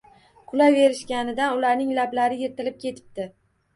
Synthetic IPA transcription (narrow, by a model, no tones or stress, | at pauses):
kʰʊlajve̞ɾɪʃkʲanɪd̪anʊlaɾnɪŋlablaɾɪjeɾt̪ɪlɪp̚kʲʰe̞t̪ʰɪ̥p̚t̪ɪ